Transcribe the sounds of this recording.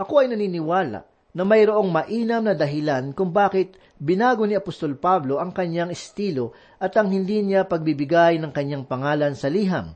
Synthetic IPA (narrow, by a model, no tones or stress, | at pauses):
ʔɐkoʔɐjnɐniːnɪwaːla̰ | nɐmɐjɾoʔo̞ŋmɐʔiːnɐmnɐd̪ɐɦɪlankʊŋbaːkɪt̪̚ | bɪnaːɡo̞nɪɐpost̪o̞lpablo̞ʔɐŋkɐɲjaŋɪst̪iːlo̞ | ʔɐt̪ɐŋɦɪnd̪inɪapɐɡ̚bibɪɡajnɐŋkɐɲːaŋpɐŋaːlɐnsɐliːɦɐ̰m